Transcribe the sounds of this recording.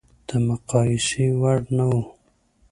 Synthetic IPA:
d̪̥əmʊqɑɪsiwaɽnawu

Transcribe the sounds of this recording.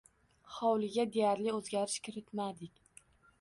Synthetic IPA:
χɒwlɪɡʲad̪ejaɾlɪɵzɡʲaɾɪʃkʲʰɪɾɪt̪mad̪ɪkʲ

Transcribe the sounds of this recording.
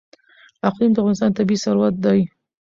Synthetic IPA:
aqlimd̪əafvɣɑnɪst̪ɑnt̪abisaɾwat̪̚d̪ɑj

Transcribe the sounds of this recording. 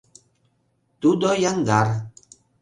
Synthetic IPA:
t̪udɔjaŋɡaɾ

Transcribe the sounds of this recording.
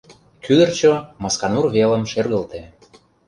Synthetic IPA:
kyd̪ərt͡ɕomɑskɑnurβelə̆mʃerɣə̆lt̪e

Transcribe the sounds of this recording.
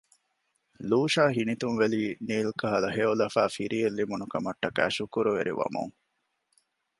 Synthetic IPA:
luːʃaːɦinit̪unʋeliːniːlkɐɦɐlɐɦeːolɐfæːfiɾiːelːimunukɐmɐʈːɐkæ̰ːʃukuɾuʋḛɾḭʋɐ̰mṵŋ

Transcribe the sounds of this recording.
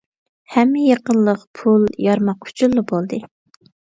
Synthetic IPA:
hɛmːɪjɑqənlˠəqpʰulˠjɑɾmɑqu̥t͡ʃʰulˠːɨbolˠd̪ɨ

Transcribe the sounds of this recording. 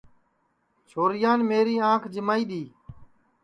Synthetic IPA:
t͡ʃʰoːɾɪjaːnmeːɾiːãːkʰd͡ʒɪmaːiːɗ̪iː

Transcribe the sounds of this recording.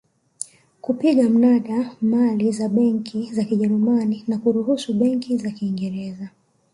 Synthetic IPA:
kupiɠam̩naɗamalizaɓɛŋkʰizakiʄɛɾumaninakuɾuɦusuɓɛŋkʰizakiːŋɡɛɾɛza

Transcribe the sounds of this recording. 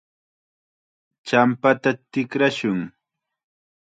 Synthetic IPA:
t͡ʃampat̪at̪ɪkɾaʃʊŋ

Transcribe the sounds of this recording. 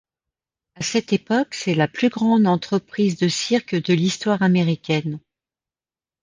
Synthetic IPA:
asɛt̪epɔksɛlaplyɡʁɑ̃d̪ɑ̃t̪χəpχizd̪əsiʁkd̪əlist̪waʁameʁikʲɛn

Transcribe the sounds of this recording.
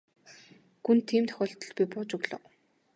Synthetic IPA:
ɡunt̪ʰːiːmt̪ʰœ̥xʲɔːɬt̪ɞ̆ɮpʲipʊːt͡ɕɵɣɮɞ̰̆

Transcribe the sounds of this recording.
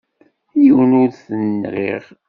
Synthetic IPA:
jəwnʊɾθənːʁiʁ

